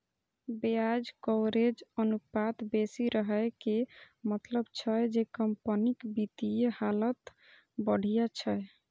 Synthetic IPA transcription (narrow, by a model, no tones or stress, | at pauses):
bead͡ʒkoʊɾed͡ʒənupat̪besiɾəɦəjke | mət̪ləbt͡ʃʰəjd͡ʒekəmpənikbit̪ijehalət̪ | bəɽ̤ijat͡ʃʰəj